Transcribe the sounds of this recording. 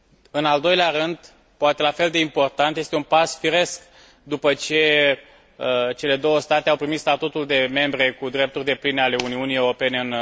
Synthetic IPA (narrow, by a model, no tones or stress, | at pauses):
ɨnald̪o̞jleaɾɨnd̪ | poat̪elafe̞ld̪e̞impo̞rt̪ant̪je̞st̪eunpasfiɾe̞sk | d̪upət͡ʃe̞ | t͡ʃe̞le̞d̪o̞wəst̪at̪eawpɾimit̪st̪at̪ut̪uld̪e̞me̞mbɾe̞kud̪ɾe̞p̚t̪urʲd̪e̞plineale̞uniunijewɾo̞pe̞neɨn